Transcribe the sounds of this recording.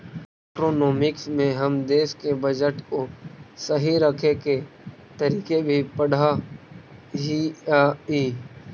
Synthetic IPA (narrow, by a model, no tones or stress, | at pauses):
ɛʈɾoːnɔːmɪksmẽɦɐmd̪eːʃkebəd͡ʒəʈkosəɦiɾɐkʰeke | t̪əɾiːkebʱipɐɽ̤a | ɦiaiː